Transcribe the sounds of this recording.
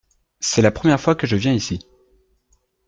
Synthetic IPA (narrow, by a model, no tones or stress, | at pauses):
sɛlapχəmjɛʁfwakəʒəvjɛ̃isi